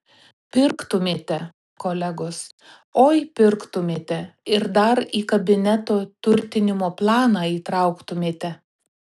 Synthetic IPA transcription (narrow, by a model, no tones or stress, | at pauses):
pʲɪɾkt̪ʊmʲeːt̪ʲɛ | koːlʲɛɡoːs | oːjpʲɪɾkt̪ʊmʲeːt̪ʲɛɪɾd̪ɐɾiːkɐbʲɪnʲɛt̪oːt̪ʊɾʲt̪ʲɪnʲɪmoːplˠɑːnɑːiːt̪ɾɑʊkt̪ʊmʲeːt̪ʲɛ